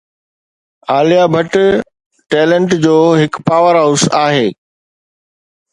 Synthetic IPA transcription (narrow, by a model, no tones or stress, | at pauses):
aːlijabʱɐʈ | ʈɛːlə̃ɳʈd͡ʑoːɦɪkpaːʋəɾɦaʊsaːɦeː